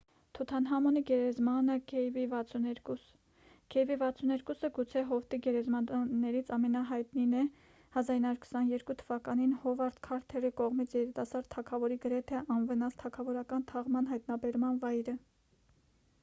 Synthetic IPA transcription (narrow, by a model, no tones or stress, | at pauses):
t̪ʰut̪ʰɑnɦɑmɔniɡɛɾɛzmɑnəkʰɛjvivɑt͡sʰunɛɾkus | kʰɛvivɑt͡sʰunɛɾkusəɡut͡sʰɛɦɔft̪iɡɛɾɛzmɑːɛɾit͡sʰɑmɛnɑɦɑjt̪ninɛ | hɑzɑɾinɑɾuɾkʰə̥sɑnjɛɾkut̪ʰəvɑkɑninhɔvɑɾt̪kʰɑɾt̪ʰɛrikɔʁmit͡sʰjɛɾit̪ɑsɑɾd̪t̪ʰːɑkʰɑvɔɾiɡəɾɛt̪ʰɛʔɑnvənɑst̪ʰɑkʰɑvɔɾɑkɑnt̪ʰɑʁmɑnɦɑjt̪nɑbɛɾmɑnvɑjɾə